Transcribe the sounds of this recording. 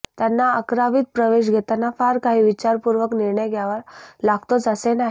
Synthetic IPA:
t̪janːaəkɾaʋiːt̪̚pɾəʋeɕ̬ɡʱɛt̪anːafaɾkaɦiːʋit͡ɕaɾpuɾʋəkniɾɳəjɡjaʋəɾlaɡt̪ot͡səsenaɦ

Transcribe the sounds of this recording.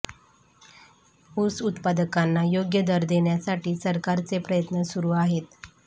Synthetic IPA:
usut̪pad̪əkanːajoɡjəd̪əɾd̪eɳjasaʈiːsəɾkaɾt͡sepɾəjət̪nəsuɾuːaɦet̪

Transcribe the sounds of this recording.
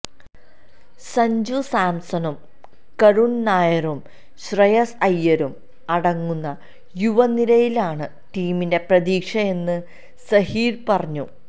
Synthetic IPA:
sɐɲd͡ʑusaːmsɐnum | kɐɻunnaːjɐɾum | ɕrɐjɐsɐjːɐɾum | ɐɽɐŋːunːɐ | juʋɐniɾɐjilaːɳɨ | ʈiːminde̞prɐðiːkʂɐe̞nːɨ | sɐhiːɾpɐrɐɲːu

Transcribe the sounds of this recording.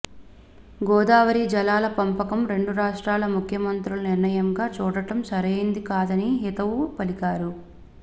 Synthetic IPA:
ɡɔːd̪aːʋɐɾiːd͡ʒɐlaːlɐpɐmpɐkɐmɾe̞ɳɖuɾaːʂʈɾaːlɐmukʰjɐmɐnt̪ɾulɐniɾnɐjɐmɡaːt͡ʃuːɽɐʈɐmsɐɾejind̪ikaːd̪ɐniɦit̪ɐwupɐlikaːɾu

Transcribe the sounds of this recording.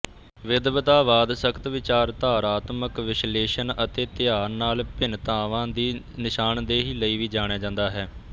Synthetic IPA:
ʋɪd̪ʋət̪aːʋaːd̪səkʰt̪ʋɪt͡ʃaːɾt̪aːɾaːt̪məkʋɪʃleːʃənət̪eːt̪ɪjaːɾnaːlpɪnt̪ãːʋãːd̪iː | nɪʃaːnd̪eːɦiːləiːʋiːd͡ʒaːɽ̃aːd͡ʒãːnd̪aːɦɛː

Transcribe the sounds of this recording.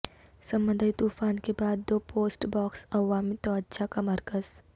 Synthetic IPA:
sɐ̃mbə̃nd̪ʱajt̪uːfaːnkebaːd̪ːoːpoːsʈbɔːksɐʋaːmit̪ɔətːʃʰakamɐɾkəz̥

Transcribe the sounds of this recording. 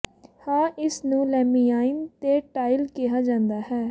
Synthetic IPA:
hãːʔɪsnũːlɛːmiːaːɪnt̪eːʈaːɪlkɪɦaːd͡ʒãːnd̪aːhɛː

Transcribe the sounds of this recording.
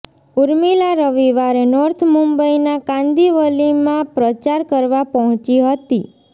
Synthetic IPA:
uɾmilaɾəʋiʋaɾenɔɾt̪ʰmumbəinakãnd̪iʋəlimãpɾət͡ʃaɾkəɾʋapəɦɔ̃t͡ʃiɦət̪i

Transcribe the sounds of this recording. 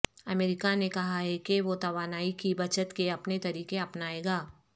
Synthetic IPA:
ɐmeːɾɪkanekɐɦaɦɛkeʋot̪ɐʋaːnaːikibɐt͡ʃət̪keɐpnet̪ɐɾiːkeɐpnaːeːɡaː

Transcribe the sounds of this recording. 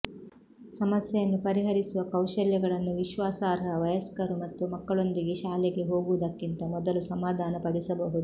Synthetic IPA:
sɐmɐsjɛjɐnːupɐɾiɦɐɾisuʋɐkɐwʃɐljɐɡɐɭɐnːuʋiʃʋaːsaːɾɐʋɐjɐskɐɾumɐt̪ːumɐkːɐɭo̞nd̪iɡeʃaːlɛɡe̞ɦo̞ːɡuʋɐd̪ɐkːint̪ɐmɔd̪ɐlusɐmaːd̪ʱaːnɐpɐɽisɐbɐɦud̪u

